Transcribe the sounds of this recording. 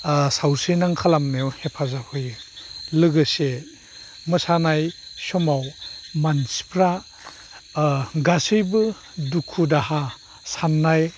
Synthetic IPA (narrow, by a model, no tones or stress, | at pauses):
sawsɯnaŋkʰalamnejɔwhepʰazahojɯlɯɡɯse | mɯsanajsɔmawmansi̥pʰɾa | ɡasɯjbɯ | dukʰudaha | sanːaj